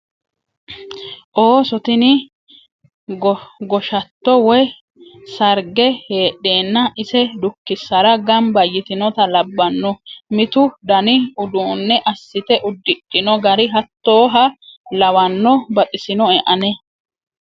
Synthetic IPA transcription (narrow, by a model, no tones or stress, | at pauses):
ʔoːsɔt̪ɪnɪ | ɡɡɔʃɐt̪ːɔwɔj | sɐɾɡɛheːᶑe̞ːnːɐʔɪsɛd̪ʊkːɪsːɐɾɐɡɐmbɐjːɪt̪ɪnɔt̪ɐlɐbːɐnːɔmɪt̪ʊd̪ɐnɪʊd̪uːnːɛʔɐsːɪt̪ɛʔʊd̪ːɪᶑʼːɪnɔɡɐɾɪɦɐt̪ːo̞ːɦɐlɐwɐnːɔbɐt̪ʼɪsɪnɔɛʔɐnɛ